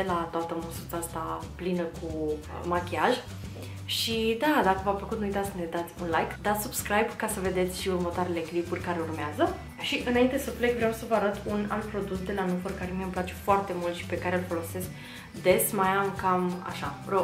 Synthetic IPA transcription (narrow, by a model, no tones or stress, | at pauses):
elat̪oat̪əmususəast̪aplinəkʰumakʲiaʒ | ʃid̪ad̪akəvafəkut̪nujt̪at̪ʲkəned̪at̪sʲunlajkd̪at̪subskɾajbkasəve̞d̪e̞t̪sʲʃiurmət̪oaɾe̞le̞klipurʲkaɾeurmeazə | ʃiʔɨnaint̪esəpflekvɾeawsəvəaɾət̪una̰lt̪̚pɾo̞d̪usd̪e̞lanufərkaɾemiəmplat͡ʃe̞̥foart̪e̞mult̪ʃi̥pe̞kaɾe̞lfo̞lo̞se̞skʲ | d̪e̞smajamkama̰ʃaro